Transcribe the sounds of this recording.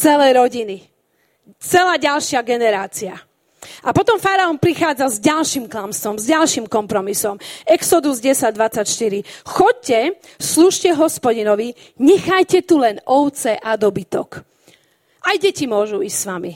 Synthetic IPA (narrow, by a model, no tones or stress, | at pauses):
t͡sɛlɛjɾɔɟini | t͡sɛlaːɟalʃɪaɡɛnɛɾaːt͡sia | ʔapɔt̪ɔmfaɾaɔmpɾixaːd͡zazɟalʃimklamst̪ɔmzɟalʃimkɔmpɾɔmisɔmɛksɔd̪uzɟɛsaɟ̚d̪ʋat͡sːacʃt̪iɾixɔc̚cɛ | sluːʃcɛɦɔspɔɟinɔʋi | ɲɛxajcɛt̪ulɛnɔʊt͡sɛʔad̪ɔbit̪ɔk | ʔajɟɛcimʊɔʒuissʋami